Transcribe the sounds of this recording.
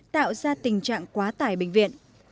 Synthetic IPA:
t̪a̰ː˧˨wzaː˧t̪ï˨˩ŋ̟t͡ɕa̰ː˧˨ŋkwaː˨˦t̪aː˧˩jɓï˧˨ŋ̟vḭ˧˨ən

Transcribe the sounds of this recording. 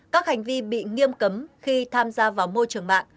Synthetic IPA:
kaː˦˥k̚ha˨˩jŋ̟vi˧ɓḭ˧˨ŋi˧əmkə˨˦mxi˧t̪ʰaː˧mzaː˧vaː˨˩wmo˧jt͡ɕɨ˨˩əŋma̰ː˧˨ŋ

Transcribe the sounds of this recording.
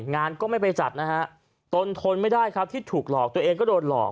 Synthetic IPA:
ŋaː˧nkɔː˥˩ma˥˩jpa˧jt͡ɕa˨˩t̪̚na˦˥kʰa˦˥ʔ | t̪o˧nt̪ʰo˧nma˥˩jdaː˥˩jkʰa˦˥p̚t̪ʰiː˥˩t̪ʰuː˨˩k̚lɔː˨˩k̚t̪u˧ɐʔeː˧ŋk̬ɔː˥˩doː˧nlɔ̰ː˨˩k̚

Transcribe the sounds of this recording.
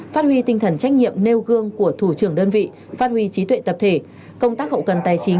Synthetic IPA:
faː˦˥t̚hwi˧t̪ï˧ŋt̪ʰə˧˩nt͡ɕa˦˥jk̟̚ɲḭ˧˨əmne˧wɣɨ˧əŋku˧˩ət̪ʰu˧˩t͡ɕɨ˧˩əŋɗəː˧nvḭ˧˨ | faː˦˥t̚hwi˧t͡ɕi˨˦t̪wḛ˧˨t̪ə˨˩p̚t̪ʰe˧˩ | kə˧wŋ͡mt̪aː˦˥k̚ɦə̰˧˨wkə˨˩nt̪aː˨˩jt͡ɕï˨˦ŋ

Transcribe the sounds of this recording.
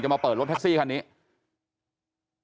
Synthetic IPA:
t͡ɕa˩maː˧pɤː˨˩ɾt̪̚ʰk̚siː˥˩kʰa˧nːiː˦˥

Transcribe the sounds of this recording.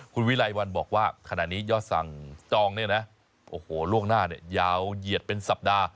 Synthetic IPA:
kʰu˧nwi˦˥la˧jwa˧nbɔː˨˩k̚waː˥˩kʰa˧na˨˩niː˦˥jɔː˥˩t̪̚sa̰˨˩ŋt͡ɕɔː˧ŋni˥˩nɛ˦˥ | ʔoː˧˩hoː˨˩lu˥˩əŋnaː˥˩ni˥˩əjaː˦˧˩wji˨˩ət̪̚pe˧nsa˨˩p̚daː˧

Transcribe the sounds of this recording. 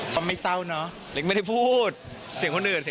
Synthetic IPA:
kɔː˧ma˥˩jsa˥˩wnɔ˦˥ | le˦˥k̚ma˥˩da˥˩pʰuː˥˩t̪̚ | si˨˩˦kʰo˧ndɯ˨˩n̚si˩˦

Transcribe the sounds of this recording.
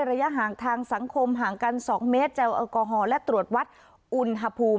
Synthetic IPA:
jɾa˧ja˦˥ʔɦaː˨˩ŋt̪ʰaː˧ŋsa˩˦ŋkʰo˧mɦaː˨˩ŋka˧nsɔː˩˦ŋmeː˦˥t̪̚t͡ɕɛ˧wʔɔː˧kɔː˧ɦɔː˧lɛ˦˥ʔt̪ɾu˨˩ət̪̚wa˦˥t̪̚ | ʔu˧nɦa˧pʰuː˧

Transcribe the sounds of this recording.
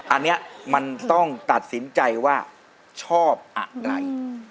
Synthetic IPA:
ʔa˧nːi˦˥ɐma˧nt̪ɔ˥˩ŋt̪a˨˩t̪̚si˩˦nt͡ɕa˧jwaː˥˩ | t͡ɕʰɔː˥˩p̚ʔa̰˨˩ɾa̰˧j

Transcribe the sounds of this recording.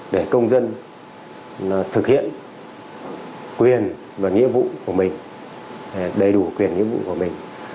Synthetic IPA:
ɗe˧˩kə˧wŋ͡mzə˧n | laː˨˩t̪ʰɨ˨˩k̚hḭ˧˨ən | kwi˨˩ən | vaː˨˩ŋḭ˧˥əmvṵ˧˨ku˧˩əmï˨˩ŋ̟˨˩ | ɗə˧jɗu˧˩kwi˨˩ənŋḭ˧˥əmvṵ˧˨ku˧˩əmï˨˩ŋ̟

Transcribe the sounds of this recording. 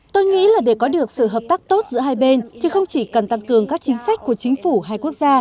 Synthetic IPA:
t̪o˧jŋḭ˧˥laː˨˩ɗe˧˩kɔ˨˦ɗɨ˨˩ək̚sɨ̰˧˨ɦəː˨˩p̚t̪aː˦˥k̚t̪o˦˥t̚zɨ̰˧˥əɦaː˧jɓe˧nt̪ʰi˨˩xə˧wŋ͡mt͡ɕi˧˩kə˨˩nt̪a˧ŋkɨ˨˩əŋkaː˦˥k̚t͡ɕï˨˦ŋ̟sa˦˥jk̟̚ku˧˩ət͡ɕï˨˦ŋ̟fu˧˩ɦaː˧jku˦˥ək̚zaː˧

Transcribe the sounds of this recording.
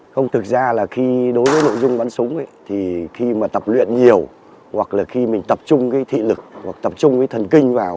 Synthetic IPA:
xə˧wŋ͡mt̪ʰɨ˨˩k̚zaː˧laː˨˩xi˧ɗo˨˦jvəː˨˦jno̰˧˨jzʊ˧ŋ͡mɓaː˨˦nsʊ˨˦ŋ͡mt̪ʰi˨˩xi˧maː˨˩t̪ə˨˩p̚lwḭ˧˨ənɲi˨˩əw | hwa˨˩k̚laː˨˩xi˧mï˨˩ŋ̟t̪ə˨˩p̚t͡ɕʊ˧ŋ͡mkaː˨˦jt̪ʰḭ˧˨lɨ˨˩k̚hwa̰˨˩k̚t̪ə˨˩p̚t͡ɕʊ˧ŋ͡mkaː˨˦jt̪ʰə˨˩nkï˧ŋ̟vaː˨˩w

